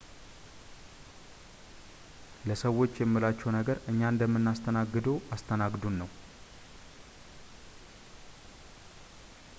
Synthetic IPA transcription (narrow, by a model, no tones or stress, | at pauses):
ləsəwːo̞t͡ʃːjɛmːilat͡ʃːɛwnəɡəɾɨɲːand̪əmːɨnːast̪ʰənaɡːɨd̪əwast̪ʰənaɡd̪unːəw